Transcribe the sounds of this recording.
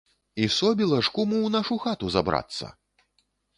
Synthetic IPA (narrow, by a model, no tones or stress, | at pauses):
isɔbʲilˠɐʂkumuwnaʂuxat̪uza̰bɾa̰t̪sːɐ̰